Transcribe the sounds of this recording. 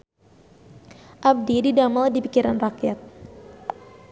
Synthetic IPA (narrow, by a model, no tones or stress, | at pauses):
ʔab̚dididamaldipikiɾanrakjat̪̚